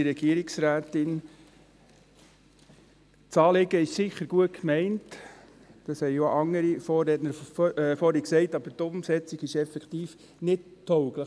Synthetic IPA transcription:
iɾɛɡ̥iəɾiksɾæːtɪn | t͡sɑːlɪɡəɪʃsɪχəɾɡ̥uətkmɛɪnt | d̥ɑshɛɪjoʔɑŋːəɾifɔɾɛtnəɾfɔːɾiksɛɪtɑb̥əɾtʊmsɛt͡siɡɪʃɛfɛkt̪iːf | nɪttʰːɔʊɡlə

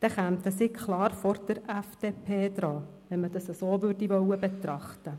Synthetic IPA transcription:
d̥ɛχæmt̪əsikʰχlɑːɾfɔɾd̥əɾɛfd̥eːpʰeːd̥̪ɾɑː | ʋɛnməd̥ɑsəsoːʋʏɾdivœwəbet̪ɾɑχtə

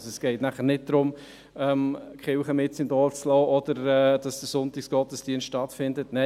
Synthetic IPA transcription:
sɛsɡ̥ɛɪtnæχəɾnɪt̚d̥ɾʊm | ɛmkχɪwχəmɪt̚t͡sɪnd̥ɔːt͡slɔːʔɔd̥əɾɛːd̥ɑsd̥əɾsʊntɪksɡ̥ɔtəsd̥iənstːtɑtfɪndətnɛ

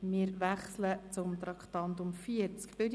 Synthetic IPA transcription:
mɪəɾʋæχslət͡sʊmt̪ɾɑkχt̪ɑnt̪ʊmfiəɾt͡skb̥ɪd

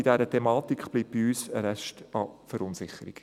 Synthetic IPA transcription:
id̥æɾətʰɛmɑːt̪ikχb̥liːp̚biyːsəɾɛʃtɑfəɾʊnsɪχəɾḭk

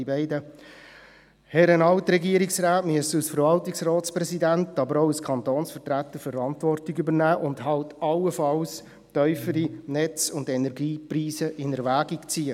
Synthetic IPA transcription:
ibɛɪdə | hɛɾənɑʊtɾɛɡiːəɾiksɾaːtmyəsəusfəɾʋɑltiksrɔːtspɾɛsidæntɑbəɾoʊəskʰɑntoːnsfətɾæt̪ːəɾfəɾɑntʋɔrtiɡybəɾnæːʔʊndhɑltɑlːəfɑls | tœʏfəɾinɛt͡sʊndɛnɛɾɡiːpriːsəʔɪnəɾʋæːɡiɡt͡siːə

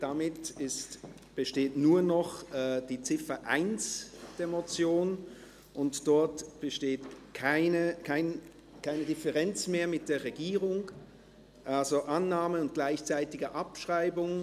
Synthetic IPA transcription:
d̥amɪtɪst | b̥əʃteːtnuːɐnɔχɛːd̥iːt͡sɪfɐʔaɪnsd̥eːɐmot͡sjoːn | ʔʊntd̥ɔɐtb̥əʃteːtkʰaɪnəkʰaɪn | kʰaɪnədɪfəʁɛnt͡smeːɐmɪt̚d̥eːɐʁeɡiːʁʊŋ | ʔalzoʔanːaːməʊnt̚ɡ̥laɪçt͡saɪtɪɡəʔapʃʁ̥aɪbʊŋ

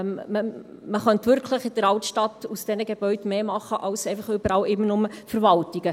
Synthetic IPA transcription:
mməməχœntʋʏɾkʰləχɪd̥əɾɑltʃtɑt̪usd̥ɛnəɡeb̥œʏdmeːmɑχːəʔɑwsɛɪfəχʏbəɾɑːlɪmːənʊməfəɾvɑltiɡə

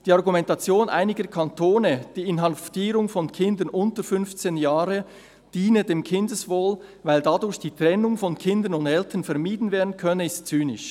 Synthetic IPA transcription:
d̥iːaʁɡumɛntat͡sjoːnʔa̰ɪnɪɡəkʰɑntʰoːnəd̥iːɪnɦɑftiːɾʊŋfɔnkʰɪndənʔʊntəfʏnft͡seːnjaːʁə | d̥iːnədeːmkʰɪndəsvoːlvaɪldadʊɾçd̥iːtʁ̥ɛnʊŋfɔnkʰɪndənʊndɛltənfɛɐmiːdn̩veːɐdn̩kʰœnəɪstt͡syːnɪʃ

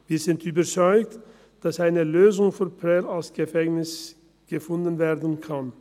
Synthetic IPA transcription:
viːɐzɪntyːbɐt͡sɔʏkt | d̥asʔaɪnəløːzʊŋfɔnpʁɛlalsɡ̥əfɛŋnɪs | ɡ̥əfʊndn̩veːɐdən̩kʰan

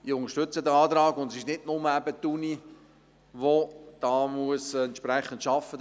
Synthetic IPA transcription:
ɪʊŋəʃtʏt͡səd̪əɑːt̪ɾɑːɡʊndɛsɪʃnɪdnʊməæbət̪ːuni | ʋod̥ɑːmuəsɛnt̪ʃpɾɛχənt̪ʃɑfːə

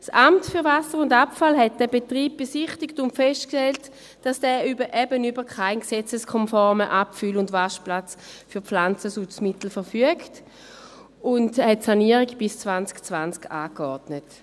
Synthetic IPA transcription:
sʔamtfyʁvasəʁʊndapfalɦɛt̚d̥ɛːbetʁiːb̚b̥esiχtɪktʊntfɛstkʃtɛlt | d̥asd̥ɛːybəʔɛbənybəʁkʰaɪnksɛt͡səskʰɔnfɔʁməʔapfylʊndvaʃplat͡sfyɐflant͡səsut͡smitl̩fəʁfyəkt | ʊndhɛtsaniəʁiɡb̥ɪst͡svant͡skt͡svant͡skʰaːkɔʁdnət

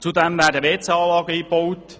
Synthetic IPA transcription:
t͡sudɛmvæːɾdəʋeːt͡sɑːlɑːɡəiːbɔwt

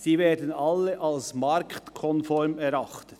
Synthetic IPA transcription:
siːvɛːdən̩ɑlːəʔɑlsmɑɾktkʰɔnfɔɾmɛɾɑχtət

